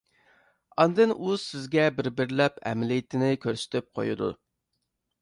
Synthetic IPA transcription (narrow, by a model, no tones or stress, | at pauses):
ɑnd̪ɨnʔusɪzɡʲɛbɪɾbɪɾlɛpʰɛ̰mɪlɪjit̪ʰɪnɪkʲʰøɾsɪ̥t̪ʰyp̚qʰo̰jṵd̪ṵ